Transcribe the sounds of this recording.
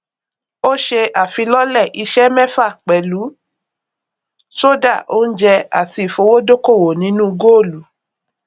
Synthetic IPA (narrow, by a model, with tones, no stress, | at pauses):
o˦ʃe˧ʔa˨fi˧lɔ˦lɛ˦˨ʔi˧ʃɛ˦mɛ̃˦fa˦˨k͡pɛ˨lu˨˦ | so˦da˦˨ʔo˦n̩˦d͡ʒɛ˧a̰˨ti˧˨fo˧˦wo˦do˦ko˦˨wo˨nĩ˨˦nũ˦˧ɡo˦o˦˨lu˨˦